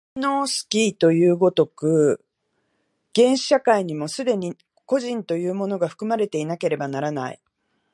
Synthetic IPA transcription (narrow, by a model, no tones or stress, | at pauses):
no̞ːsɨ̥kʲiːt̪o̞jɯːɡo̞t̪o̞kɯ̟ | ɡ̥ẽ̞ɰ̃ɕi̥ɕakaiɲ̟imo̞sɨd̪e̞ɲ̟i | ko̞ʑĩnt̪o̞jɯ̟ːmo̞no̞ɡaɸɯ̟̥kɯ̟maɾe̞t̪e̞inake̞ɾe̞banaɾana̰ḭ